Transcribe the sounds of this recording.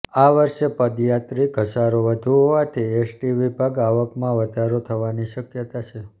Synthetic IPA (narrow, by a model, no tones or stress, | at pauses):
aʋəɾʃepəd̪jat̪ɾikəsaɾoʋəd̪ʱuɦoʋat̪ʰiesʈiʋibʱaɡaʋəkmãʋəd̪ʱaɾot̪ʰəʋaniʃəkjət̪at͡ʃʰe